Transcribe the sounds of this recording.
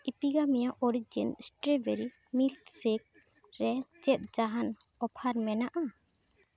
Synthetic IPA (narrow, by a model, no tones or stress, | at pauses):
ipiɡamɛjaʔɔɾid͡ʒinsʈɾebeɾi | milt̪sek̚ | ɾɛt͡ʃɛt̪̚ˀd͡ʒaɦanɔpʰaɾmɛnaʔa